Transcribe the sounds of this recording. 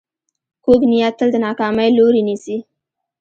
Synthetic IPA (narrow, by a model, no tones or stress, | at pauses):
koɡnijat̪ːəld̪ənɑkɑmajloɾinisi